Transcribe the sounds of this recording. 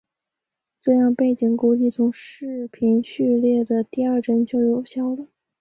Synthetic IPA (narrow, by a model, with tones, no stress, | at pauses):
ʈ͡ʂɤ˥˧jɑ˥˧ŋpe˥˩ɪt͡ɕi˨˩ŋku˥t͡ɕi˥˩t͡sʰʊ˧˥ŋʂɻ̩˥˩pʰi˧˥nɕy˥˧ljɛ˥˩d̪ə˩t̪i˥˧ə˞˥˩ʈ͡ʂə˥nt͡ɕjo˥˧ʊjo˨˩ʊɕjɑ˥˩ʊlə˩